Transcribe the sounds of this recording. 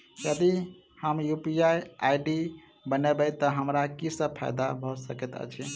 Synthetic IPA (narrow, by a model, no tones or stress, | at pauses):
jəd̪i | həmjupiajaiɖi | bənebɛt̪əɦəmɾakisəb̚pʰa̰jd̪abʱɔsəket̪ə̰t͡ʃʰi